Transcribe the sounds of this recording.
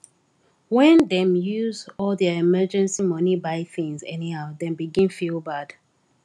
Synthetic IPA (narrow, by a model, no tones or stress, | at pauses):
wɛ̃ndɛ̃mjuzɔlðɛɛmɜd͡ʒɛ̃nsimʌnibaɪθĩŋzɛnihaʊðɛ̃mbiɡĩnfilbad̥